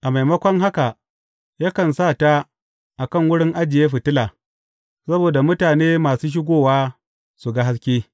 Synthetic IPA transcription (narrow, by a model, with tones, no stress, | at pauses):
ʔa˨ma˨jmɐ˦kʷɔ˦ŋɦa˦ka˨ | jaː˦kɐ˨nsaː˦˨ta˦ | ʔa˨kɐ˦˨ŋwʊ˦ɽɪ˦ŋʔa˦d͡ʒɪ˨jeː˦ɸɪ˨tɪ˦la˨ | sɐ˦boː˨da˨mʊ˦taː˨neː˦maː˨suː˦ʃ̬ɪ˦ɡʷoː˦waː˦ | su˨ɡa˦ɦa˦s̬kʲiː˦